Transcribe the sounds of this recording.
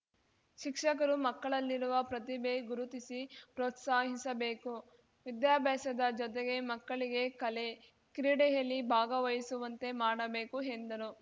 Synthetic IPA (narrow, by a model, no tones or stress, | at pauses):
ʃikʂɐk̬ɐɾumɐkːɐɭɐlːiɾuʋɐpɾɐt̪ibeɡuɾut̪isipɾoːt̪saːɦisɐbe̞ːku | ʋid̪jaːbʱɛːʃɐd̪ɐd͡ʒɔt̪eɡe̞mɐkːɐɭiɡe̞kɐle̞ | kɾiːɽɛjɐlːibʱaːɡɐʋɐjɐsuʋɐnt̪e̞maːɽɐbe̞ːkuɦend̪ɐnu